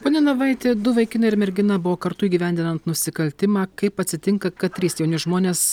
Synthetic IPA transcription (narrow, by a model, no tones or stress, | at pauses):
poːnʲɛnɐʋɑˑɪt̪ʲeːd̪ʊʋɐɪkʲɪnɐɪɾmʲɛɾʲɡʲɪnɐbʊʋoːkɐɾt̪ʊiːɡʲiʋʲæˑnʲd̪ʲɪnɐnt̪nʊsʲɪkɐlʲt̪ʲɪmɑːkɐɪpɐt̪ʲsʲɪt̪ʲɪŋkɐkɐt̪ʲɾʲiːsjɛʊnʲɪʒmoːnʲeːs